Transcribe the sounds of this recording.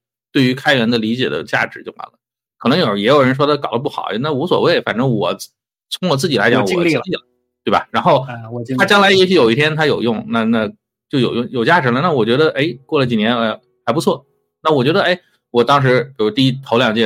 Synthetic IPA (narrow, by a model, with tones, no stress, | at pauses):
t̪we˥˩ɪy˧˥kʰa˥ɪɥɛ˧˥nd̪ə˧li˧˥t͡ɕjɛ̰˨˩d̪ə̰˦t͡ɕja̰˥˩ʈ͡ʂɻ̩˧˥t͡ɕjo˥˩ʊwa̰˧˥nlə˦ | kʰɤ˨˩nɤ˧˥ŋjo˨˩ə˥˩jɛ˧˥jo˨˩ʊɻə˧˥nʂ̬wɔ˥d̪ə˨kɑ˨˩ʊlə˦p̬u˥˩xɑ˨˩˦na˥˩wɔ˧˥swɔ̰˨˩we˥˩ɪfa̰˨˩nʈ͡ʂɤ˥ŋwɔ˨˩ | t͡sʰʊ˧˥ŋwɔ˨˩t͡sɹ̩˥˩t͡ɕi˨˩la˧˥t͡ɕjɑ˧˥ŋwɔ̰˧˨˩ŋ˥i˥˩ə˩ | t̪we˥˩bɐ̰˩ɻa˧˥nxo˥˩ʊtʰa˥t͡ɕjɑ˥ŋla˧˥ɪjɛ˧˥ɕy˧˥jo˨˩ʊi˥˩t̪ʰjɛ˥nt̪ʰa˥jo˨˩ʊjʊ˥˩ŋna˥˧na˥˩ | t͡ɕjo˥˩ʊjo˨˩ʊjʊ˥˩ŋjo˨˩ʊt͡ɕja˥˩ʈ͡ʂɻ̩˧˥lə˧na˥˩wɔ˨˩t͡ɕɥɛ˧˥d̪ə˧ʔe˥ɪkwɔ˥˩lə˩t͡ɕi˨˩njɛ˧˥n˧˩ | xa˧˥ɪpu˧˥t͡sʰwɔ˥˩ | na˥˩wɔ˨˩t͡ɕɥɛ˧˥d̪ə˧e˥ɪ | wɔ˨˩t̪ɑ˥ŋʂ̬ɻ̩˧˥pi˨˩w̪i˧i˥t̪ʰo˧˥ʊljɑ˨˩ŋt͡ɕjɛ˥˧˩